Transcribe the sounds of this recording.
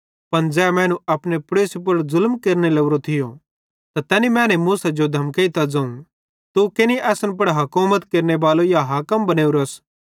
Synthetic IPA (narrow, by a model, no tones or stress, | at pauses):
pɐnd͡zɛːmɛ̃ːnũɐpnepʊɾeːsep̬ɐɽzʊlmkeːɾnelɐuɾot̪ʰɪjo | t̪at̪ɛːnimɛ̃ːnemuːsad͡ʒod̪ʱɐmkeit̪ad͡zɐ̃ːũ | t̪ukeniʔɛːsənp̬ɐɽɦɐkuːmət̪keːɾnebaːlojaɦaːkəmbɐneːuɾɐs